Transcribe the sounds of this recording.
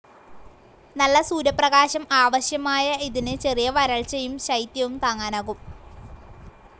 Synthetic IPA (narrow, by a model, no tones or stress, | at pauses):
nɐlːɐsuːɾɐprɐɣaːɕɐmaːʋɐɕjɐmaːjɐiðinɨt͡ɕe̞rijɐʋɐɾɐɭt͡ɕɐjumɕɐjt̪jɐʋumt̪aːŋːaːnaːɣum